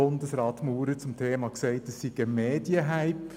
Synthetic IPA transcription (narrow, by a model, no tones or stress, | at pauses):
ʊndəsɾɑːt̪muːɾət͡sʊmtʰeːmɑkseɪtəssiɡəmeːd̥jəɦaɪp